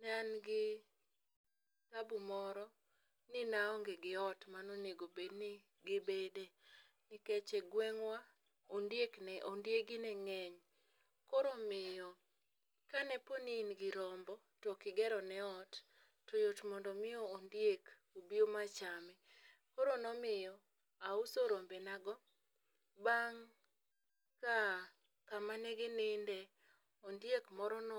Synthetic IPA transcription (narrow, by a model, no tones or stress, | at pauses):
nanɡɪ | tabumɔɾɔ | nɪnaɔŋɡeɡɪɔtmanoneɡobednɪ | ɡɪbede | nɪkɛt͡ʃɛɡwɛŋwa | ondjeknɛʔondjeɡɪnɛŋɛɲ | koɾomɪɔ | kanɛponiːnɡɪɾɔmbɔ | tɔkɪɡɛɾɔnɛɔt | tɔjotmɔndɔmɪɔondjek | obiomat͡ʃamɛ | koɾonɔmɪjɔ | ausoɾombɛnaɡɔ | baŋ | ka | kamanɛɡɪnɪndɛ | ondjekmɔɾɔnɔ